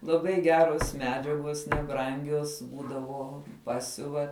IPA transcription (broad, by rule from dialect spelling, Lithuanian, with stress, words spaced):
lˠɐˈbɐɪ ˈɡʲæːroːs ˈmʲæːd͡ʒʲɛɡoːs nʲɛˈbrɐŋʲɡʲoːs ˈbuːdɐʋoː ˈpɑːsʲʊʋɐ